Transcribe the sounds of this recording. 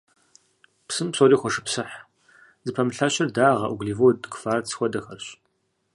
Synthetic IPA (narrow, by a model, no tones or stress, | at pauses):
psɨmpsoːɾiːxʷɔʂɨ̥psɨħ | zɨpʰɐmɨɬɐɕɐrdaːʁɐ̰ʔuɡɮiːvoːdkfaːrt͡sʰxʷɔdɐxɐrɕ